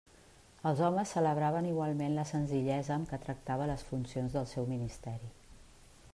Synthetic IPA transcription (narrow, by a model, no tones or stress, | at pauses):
əlˠzɔməsːələβ̞ɾaβəniɣwalˠmenləsənziʎɛzəːmkət̪ɾək̚t̪aβələsfunsionzðəlˠsɛwminist̪ɛɾi